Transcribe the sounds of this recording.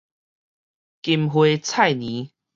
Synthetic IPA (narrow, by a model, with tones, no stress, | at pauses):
ki˧mɦwe˧˦t͡sʰa˥˨jnĩ˨˦